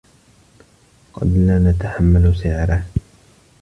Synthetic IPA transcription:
qɑ̰d̪naːnat̪aħamːalsɪʕɾaː

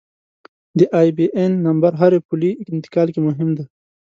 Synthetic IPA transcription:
d̪əʔɑːjbiʔenːɐmbaɾɦaɾepuliɪnt̪ɪ̥kɑːlkemʊɦɪmd̪e

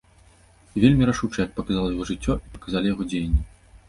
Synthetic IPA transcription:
vʲelʲmʲiɾaʂut͡ʂɐjɐpɐkazalˠɐjaɣɔʐɨt͡sʲːɔʔipɐ̥kazalʲijaɣɔd͡zʲejɐnʲːi

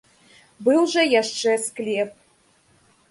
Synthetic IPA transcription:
bɨwʐɐjaʂt͡ʂɛsklʲɛp̚

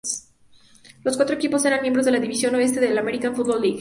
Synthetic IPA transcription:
s | lo̞skwat̪ɾoekipo̞se̞ɾanmjembɾo̞zðelaðiβisjo̞noe̞s̬t̪eðelameɾikaenfut̪bolːiɣ

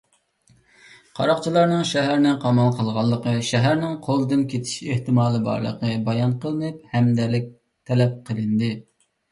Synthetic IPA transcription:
qʰɑ̰ɾɑqt͡ʃʰilˠɑɾnɨŋʃɛɦæɾnɪqʰɑmɑlˠqʰəlˠʁɑlˠːəqəʃæɦæɾnɪŋqʰolˠɨd̪ɨnkʲet̪ʰɪ̥ʃeht̪ɨmɑːlˠɨbɑ̰ɾlˠə̰qəbɑjɑnqʰəlˠɨnɨp̚hɛmd̪ɛlɪk̚ʲ | t̪ʰɛlɛp̚qʰəlˠɨnd̪ɨ

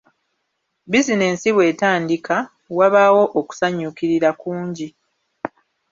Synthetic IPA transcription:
bizine̞ːnsiβwe̞ːtaːndika | waβaːwo̞ʔoku̥saɲːukiɾiɾakuːɲɟi

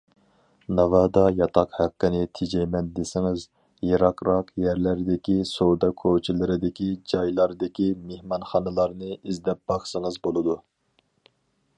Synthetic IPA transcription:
nɑvɑːd̪ɑjɑt̪ʰɑqhæqːɪnɪt̪ʰɪd͡ʒɛjmɛnd̪esɪŋɪz | jɑɾɑqɾɑqjæɾlæɾd̪ɪkʲisowd̪ɑkʰot͡ʃʰilˠɨɾɪd̪ɪkʲid͡ʒɑjlˠɑɾd̪ɪkʲimehmɑnχɑnɨlˠɑɾnɨizd̪ɛp̚b̥ɑχsɨŋɨzbolˠɨd̪u

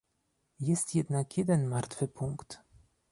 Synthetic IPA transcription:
jɛst̪jɛd̪nakjɛd̪ɛnmaɾt̪fɘpuŋkt̪

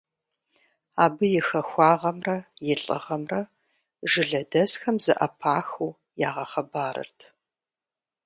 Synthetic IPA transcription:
aːbɨjɪxɐxʷɑːʁɐmrɐjɪɬʼɨ̰ʁɐmrɐ | ʒɨɮɐdɐzxɐmzɨ̰ʔɐpʰaːxuː | jaːʁɐχɐbaːɾɐ̰rtʰ

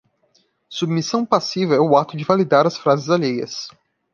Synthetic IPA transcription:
submisɐ̃w̃pasivɐɛʊat̪ʊd͡ʒɪvalid̪aɾɐsfɾazɪzaʎejɐ̰s

